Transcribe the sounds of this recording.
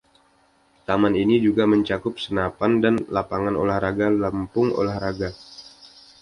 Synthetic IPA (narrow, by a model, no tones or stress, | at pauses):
t̪amaninid͡ʒuɡaməɲt͡ʃakʊp̚sənapandanlapaŋano̰lahɾaɡalampʊŋo̰lahɾaɡa